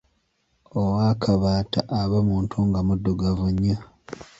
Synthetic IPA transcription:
owaːkʰaβaːtaʔːβamuːntʰuŋɡamudːoɡavuɲːa

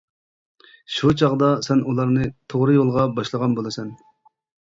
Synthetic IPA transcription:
ʃut͡ʃʰɑʁd̪ɑsɛnulˠɑɾnɨt̪ʰoʁɾɨjolˠʁɑbɑʃlˠəʁɑnbolˠɨsɛn

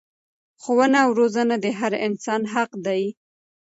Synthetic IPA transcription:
xowənawɾozənad̪əɦaɾɪnsɑnɦaqd̪aji

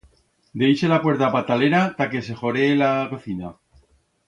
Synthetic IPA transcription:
d̪eise̞lapwe̞ɾt̪apat̪aleɾat̪ake̞s̬e̞xo̞ɾelako̞θina

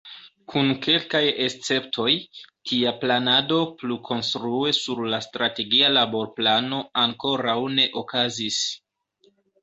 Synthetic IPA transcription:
kʰunke̞lkaje̞st͡se̞ptʰo̞jtʰiaplanado̞plukʰo̞nstɾue̞suɾlastɾate̞ɡialabo̞ɾplano̞aŋko̞ɾawne̞ʔokazis

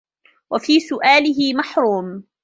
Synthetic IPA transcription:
wafiːsʊʔaːlɪɦɪmaħɾuːm

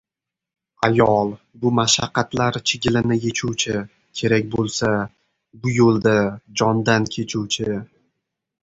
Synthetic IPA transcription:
ajɒlˠ | bʊmaʃaqːɑt̪laɾt͡ʃʰɪɡʲɪlɪnɪje̞t͡ʃʰuwt͡ʃʰɪ | kʲʰe̞ɾak̚ʲbolˠsa | bʊjolˠd̪ad͡ʒɒnd̪ankʲʰe̞t͡ʃʰuwt͡ʃʰɪ

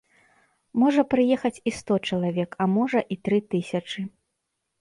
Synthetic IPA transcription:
mɔʐɐpɾɨjɛxɐt͡sʲist̪ɔt͡ʂɐlˠavʲɛkɐmɔʐɐʔit̪ɾɨt̪ɨsʲɐt͡ʂɨ

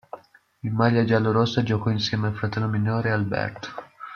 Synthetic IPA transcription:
imaʎjad͡ʒalːoɾosad͡ʒokɔinsjɛːmealfɾat̪ɛlːominoːɾealbɛ̰rt̪o̥

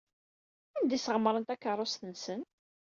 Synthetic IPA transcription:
ænd̪isəʁəmːɾˤənt̪ækːərˤːʊst̪ənsən

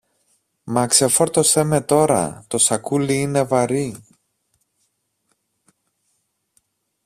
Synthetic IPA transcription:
mɐkse̞fo̞ɾt̪o̞se̞me̞t̪o̞ɾɐ̰t̪o̞sɐkuliine̞vɐɾi

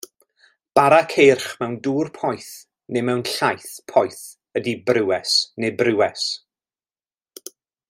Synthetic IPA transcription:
b̥aɾakʰejrχmɛwnduːrpʰɔjθ | nemɛwnɬajθpʰɔjθ | ədibrɪwɛsnebrɪwɛs

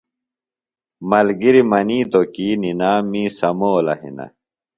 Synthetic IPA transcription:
mɐlɡiɾimɐniːt̪okiːninaːmːiːsɐmoːlɐ̰hḭnɐ̰

